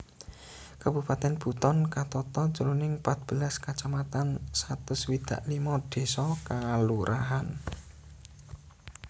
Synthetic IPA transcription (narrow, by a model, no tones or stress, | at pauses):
kab̥ṳpat̪ɛnb̥ṳt̪ɔnkat̪ɔt̪ɔt͡ʃulunɪŋpat̪̚b̥ə̤laskat͡ʃamat̪ansat̪ʊswid̪̥ä̤ʔlimɔd̪̥e̤sɔkaluɾʔaɦan